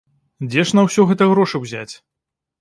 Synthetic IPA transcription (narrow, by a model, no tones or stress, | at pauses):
d͡zʲɛʂnɐwsʲɔɣɛt̪ɐɣɾɔʂɨwzʲa̰t͡sʲ